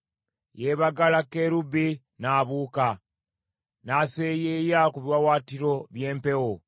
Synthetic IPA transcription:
jeβaɡalakeɾubi | naːβuːka | naːsejejakuβjwawaːtiɾo̞βje̞ːmpe̞wo

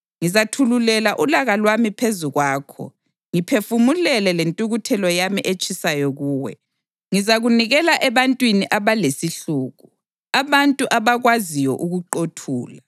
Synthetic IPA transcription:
ŋizatʰululɛlaʔulaɣalwamipʰezuɣwaːkʰɔ̰ | ŋipʰefumulɛlɛlentʼuɣutʰɛlɔjamiʔet͡ʃʰʼisajɔɣuːwɛ̰ | ŋizaɣuniɣɛlaʔɛβantʼwiniʔaβalesiɬuːɣu | aβantʼuʔaβaɣwazijɔʔuɣuǃotʰuːla

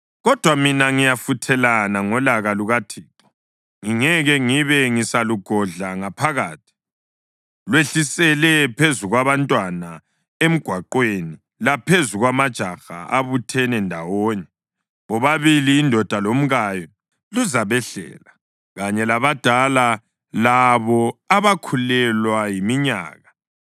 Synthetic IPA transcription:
ɣɔd̥ʱwaminaŋijafutʰɛlanaŋɔlaɣaluɣatʰiːǁɔ̥ | ŋiŋɛɣɛŋiβɛŋisaluɡ̥ʱɔɮaŋapʰaɣaːtʰi̥ | lweɬisɛlɛpʰezuɣwaβantʼwana | em̩ɡ̥ʱwaǃweni | lapʰezuɣwamad̥ʒ̥ʱaxa̰aβutʰɛnɛndʱawɔːɲɛ | βɔβaβiliːndʱɔd̥ʱalom̩ɣajɔ | luzaβɛɬɛ̰ːla | ɣaɲɛlaβad̥ʱala | laβɔaβakʰulɛlwajimiɲa̰ːɣa

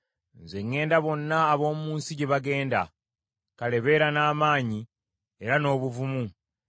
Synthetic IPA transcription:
nze̞ŋːe̞ːndaβo̞nːaːβo̞ːmumuːnsiɟeβaɡe̞ːnda̰ | kale̞βe̞ːɾanaːmaːɲi | e̞ɾano̞ːβuvumu

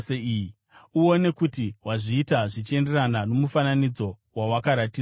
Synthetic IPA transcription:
seii | uo̞ne̞kutiwaʐiːtaʐit͡ʃe̞nde̞ranano̞mufananid͡zo̞ | wawakaɾatiː

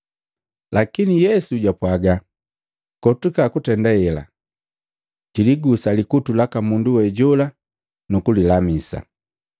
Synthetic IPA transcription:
lakinijɛsuɟwapwaɡa | kɔtukakutɛndajɛla̰ | ɟiliɡusalikutulakamunduwɛɟɔla | nukulilamisa̰

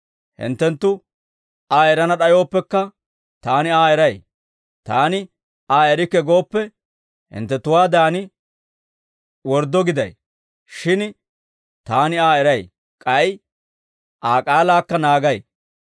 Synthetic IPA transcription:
hɪ̰nt̪ːɛnt̪ːʊ | aːɛɾɐnɐɗɐjo̞ːpːɛkːɐ | t̪aːnɪaːɛɾɐj | t̪aːnɪ | aːɛɾɪkːɛɡo̞ːpːɛ | hɪ̰nt̪ːɛt̪ːʊwaːd̪aːnɪ | wɔɾd̪ːɔɡɪd̪ɐ̰j | ʃɪn | t̪aːnɪaːɛɾɐj | kʼɐj | ʔaːkʼaːlaːkːɐnaːɡɐj

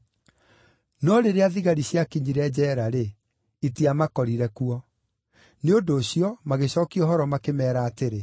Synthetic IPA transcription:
nɔɾeɾeaðiɣaɾiɕjakiɲiɾɛd͡ʑɛːɾaɾe | itiamakɔɾiɾɛkuɔ | neodoːɕiɔmaɣeɕɔːkiɔɦɔɾɔmakemɛːɾaːteɾe

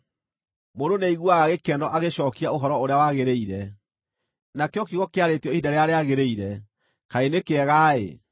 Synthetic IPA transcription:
mondoneiɣwaɣaɣekɛnɔʔaɣeɕɔːkiaoɦɔɾɔoɾeawaɣeɾeiɾɛ | nakeɔkiɣɔkeaɾetiɔidaɾeaɾeaɣeɾeiɾɛ | kaenekeɛɣaḛ

